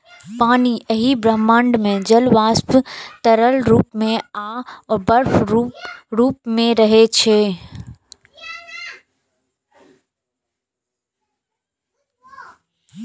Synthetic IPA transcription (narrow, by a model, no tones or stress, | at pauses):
paːniʔɐɦibɾəmə̃ɳɖmẽd͡ʒɐlʋaːspt̪ɐɾəlɾuːpmẽaːɔːɾbɐɾf | ɾuːpmẽɾɐɦet͡ʃʰeː